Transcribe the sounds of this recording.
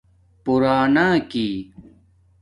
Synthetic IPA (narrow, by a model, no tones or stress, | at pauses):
puɾaːnaːkiː